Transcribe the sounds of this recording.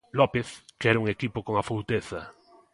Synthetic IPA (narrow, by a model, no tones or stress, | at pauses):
lopeθkɛɾauŋekipokoŋafowt̪eθa